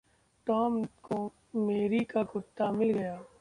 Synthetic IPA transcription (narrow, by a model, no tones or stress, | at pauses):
ʈɔːmko | meːɾikaɡʊt̪ːamɪlɡɐjaː